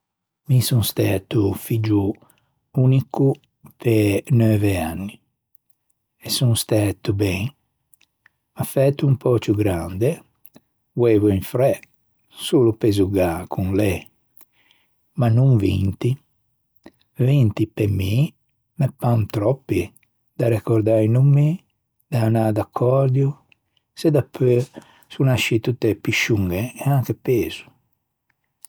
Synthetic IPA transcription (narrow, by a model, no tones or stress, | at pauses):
misuŋst̪ɛːt̪ufid͡ʒu | uniku | penøːvea̰nːi | ɛsuŋst̪ɛt̪ubɛŋ | mafɛːt̪ːuumpɔːt͡ʃuɡɾand̪e | vwɛːvuiɱfɾɛ | suːlupezuɡakʰunlɛ | manuŋvḭnt̪i | vint̪ipemi | mɛpːant̪ɾɔpːi | d̪aɾɛkɔɾd̪ajnumːi | d̪aanad̪akʰːɔɾd̪ju | sed̪apʰːø | sunaʃit̪ut̪ːepiʃuŋɡeɛaŋkepeːz̥u̥